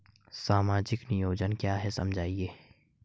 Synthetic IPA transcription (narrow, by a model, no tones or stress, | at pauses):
saːmaːd͡ʒɪknɪjoːd͡ʒənkjaːɦɛsɐmd͡ʒʱaːieː